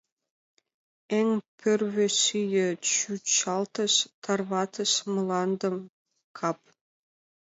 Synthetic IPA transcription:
eŋpʰørβɘ̆syjɘ̆t͡ɕyt̪t͡ɕɑlt̪ɤ̆ʃt̪ʰɑrβɑt̪ɤ̆ʃmɤ̆lˠɑnd̪ɤ̆m | kʰɑp̚

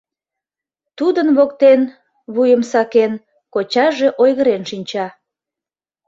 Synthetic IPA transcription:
t̪ud̪ənβokt̪en | βujəmsɑken | kot͡ɕɑʒe̽ʔojɣəɾenʃinʲt͡ɕɑ

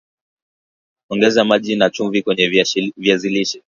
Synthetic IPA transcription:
ɔŋɡɛzamaʄinat͡ʃuɱvikwɛɲɛviaziliʃɛ̥

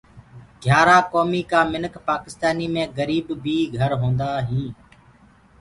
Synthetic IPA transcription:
ɡʱjaːɾaːkoːmiːkaːmɪnəkʰpaːkɪst̪aːniːmẽːɡəɾiːbbʱiːɡʱəɾɦõːnd̪aːɦĩː

